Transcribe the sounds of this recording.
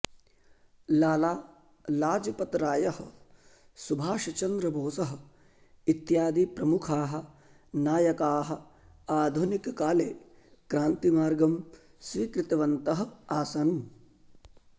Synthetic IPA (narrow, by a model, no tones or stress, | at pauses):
laːlaː | laːd͡ʒɐpɐt̪ɾaːjɐhɐ | subʱaːʃɐt͡ʃɐnd̪ɾɐbʱoːsɐɦɐ̆ | it̪jaːd̪ipɾɐmukʰaːɦɐ̆ | naːjɐkaːɦɐ̆ | aːd̪ʱunikkaːleː | kɾaːnt̪imaːɾɡɐm | sʋiːkɾɪt̪ɐʋɐnt̪ɐɦɐaːsɐn